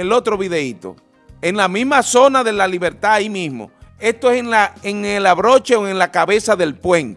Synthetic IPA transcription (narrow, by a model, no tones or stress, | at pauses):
elo̞t̪ɾoβiðeit̪o̰ | e̞ŋlamizmaso̞naðe̞laliβe̞ɾt̪aimĩsmo̰e̞st̪oesenlaeŋelaβɾo̞t͡ʃeoeŋlakaβe̞saðe̞lpwe̞nt̪